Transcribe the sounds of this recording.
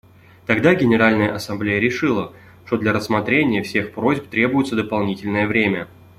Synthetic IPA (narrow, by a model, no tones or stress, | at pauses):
t̪ɐɡd̪aɡʲɪnʲɪɾalʲnəjəʔɐsɐmblʲejəɾʲɪʂɨlˠə | ʂt̪o̞d̪lʲəɾəsmɐt̪ɾʲenʲɪjəfsʲe̞xpɾo̞zʲpt̪ɾʲe̞bʊjɪt̪səd̪əpɐlˠnʲitʲɪlʲnəjəvɾʲemʲə